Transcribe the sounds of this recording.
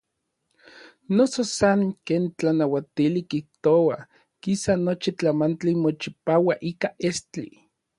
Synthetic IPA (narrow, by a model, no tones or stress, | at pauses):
nososaŋkeːnt͡ɬanawat̪ilikiht̪owa | kisanot͡ʃit͡ɬamant͡ɬimot͡ʃipaːwaʔiːkaʔest͡ɬḭ